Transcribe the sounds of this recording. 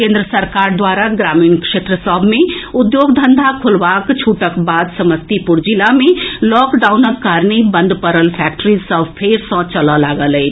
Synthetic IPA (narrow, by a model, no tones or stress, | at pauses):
kẽnd̪ɾəsəɾkaːɾd̪waːɾaɡɾaːmiːnkʃeːt̪ɾəsɔbʱmẽʊd̪joːɡd̪ʱənd̪ʱakʰʊlʋakt͡ʃʰuʈəkbaːd̪səməst̪ipʊɾd͡ʒilamẽlɔːkɖaːunəkːaɾnibə̃nd̪pəɾəlpʰɛk̚ʈɾizsəbpʰeɾsɔ̃t͡ʃələlaːɡəlɦɛ